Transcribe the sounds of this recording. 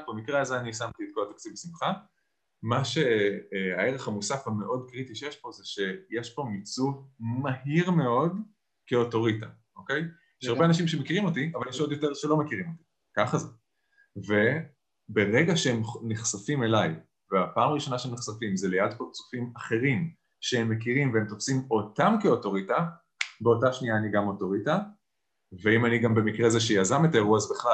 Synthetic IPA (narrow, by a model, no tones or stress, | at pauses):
bemikʁeazeanisamt̪iːt̪̚koat̪akt͡sivbesimχa | maʃe̞ae̞ʁeχhamusafhame̞ʔo̞dkʁit̪iʃejeʃpo̞zeʃe̞jeʃpo̞mit͡sumaɦiʁme̞o̞d | keo̞to̞ʁita | ʔo̞ke̞j | jeʃaʁbeanaʃ̬imʃemekiʁimo̞tiavaljeʃo̞d̪jo̞te̞ʁʃelo̞mekiʁimo̞ti̥ | kaχaze | ve̞ | be̞ʁeɡaʃeemniχsafime̞laj | veapaːmaʁiʃo̞naʃeniχsafimzelejadpaʁt͡su̥fimaχe̞ʁim | ʃehemːe̞kiʁimveemt̪ofsimo̞tamkeo̞to̞ʁita | be̞o̞taʃniaːniɡamoto̞ʁita | veimaniɡambe̞mikʁeazeʃejazametaeʁuazbeχla